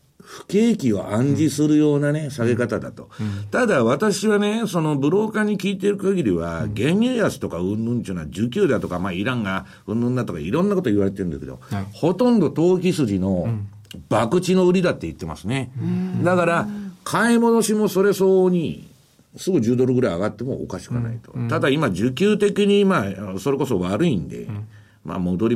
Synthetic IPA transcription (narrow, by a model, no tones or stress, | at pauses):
ɸɯ̟̥ke̞ːkʲio̞̰ʔãɲ̟d͡ʑisɨɾɯ̟jo̞ːnane̞saɡe̞kat̪ad̪a̰t̪o̞̥t̪ad̪aβat̪aɕiβane̞so̞no̞bɯ̟ɾo̞ːkaɲ̟ːikʲiːt̪eɾɯ̟kaɡʲiɾʲiβa̰ɡẽ̞ɲjɨjasɨ̥t̪o̞kaɯ̟̃nɯ̟̃ɲt͡ɕɨːnad͡ʑɨkʲɨːd̪at̪o̞kamaiɾãŋɡa | ɯ̟̃nːɯ̃nd̪at̪o̞ka̰ḭɾõ̞nːako̞t̪oiβaɾe̞t̪eɯ̃nesked̪o̞̰ho̞t̪õ̞nd̪o̞t̪o̞ːkʲisɨʑino̞ | b̥akɯ̟t͡ɕino̞ɯ̟ɾʲid̪at̪ːe̞it̪ːe̞ma̰sɨne̞d̪akaɾakʰaimo̞no̞ɕimo̞so̞ɾe̞so̞ːɲ̟i | sɨɡɯ̟d͡ʑɨːd̪o̞ɾɯɡɯɾaiaɡat̪ːe̞mo̞̰ːo̰kaɕi̥kana̰it̪o̞̰t̪ad̪aimad͡ʑɨkʲɨːt̪ekʲiɲ̟imaːso̞ɾe̞ko̞so̞βaɾɯ̟ĩnd̪e̞̰ | mʔa̰mo̞d̪o̞ɾʲi